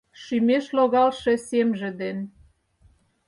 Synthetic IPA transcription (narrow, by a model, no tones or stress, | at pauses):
ʃymeʃloɣɑlʃĕsemʒĕd̪en